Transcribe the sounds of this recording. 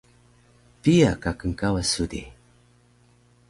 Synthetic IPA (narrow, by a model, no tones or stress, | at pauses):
pijakakəŋkawasudḭ